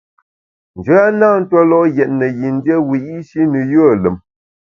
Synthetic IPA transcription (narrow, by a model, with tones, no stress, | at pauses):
n̩˨d͡ʒə˦a˦naː˦˨n̩˦twa˦lɔ˦ʔjɛ˨t̚nə˨ji˨n˦dje˦wi˨i˦ʃi˦nɨ˨jə˦˨lə˨m